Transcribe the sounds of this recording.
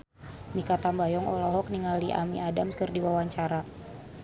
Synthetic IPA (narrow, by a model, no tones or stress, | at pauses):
mikat̪ambajɔŋɔlɔɦɔk̚niŋaliʔa̰mḭadamskərdiwawaɲt͡ʃaɾa